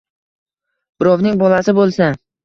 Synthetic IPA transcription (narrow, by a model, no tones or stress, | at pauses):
b̥ɪɾɒwnɪŋbɒlasɪbolˠsa